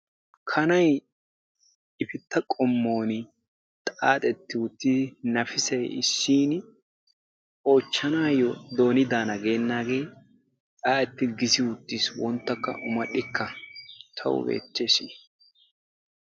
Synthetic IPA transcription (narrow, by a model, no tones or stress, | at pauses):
kʰɐnɐj | ɪfɪt̪ːɐkʼɔmːo̞ːn | t̪ʼaːt̪ʼɛt̪ːɪwʊt̪ːɪnɐfɪsɐjɪsːiːn | o̞ːt͡ʃːɐnaːjɔd̪o̞ːnɪd̪aːnɐɡe̞ːnːaːɡe̞ː | aːɛt̪ːɪɡɪsɪwʊt̪ːɪswɔnt̪ːɐkːɐ̰ʔʊmɐɗːɪkːɐt̪ʰɐ̰wʊ̰bḛːt͡ʃːe̞ːsiː